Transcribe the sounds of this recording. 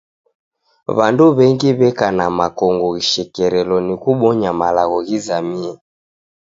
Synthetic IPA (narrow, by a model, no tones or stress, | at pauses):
βanduβɛŋɡiβɛkanamakɔŋɡɔɣiʃɛkɛɾɛlɔnikuɓɔɲamalaɣɔɣizamiɛ